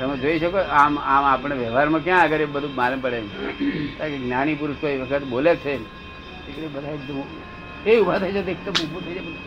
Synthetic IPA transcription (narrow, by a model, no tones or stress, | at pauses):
t̪əmẽd͡ʒoiʃəkoamamapəɳ̃eʋjəʋɦaɾmãkjãəɡəɾebəd̪ʱũmaləmpəɽenut̪akeɡnaɽ̃ip̬uɾuʃkoiʋəkʰət̪bolet͡ʃʰe | ekɾebəd̪ʱaekd̪əm | eubʱat̪ʰəjt͡ʃʰed̪ek̚t̪əmubʱũt̪ʰəid͡ʒabəd̪ʱa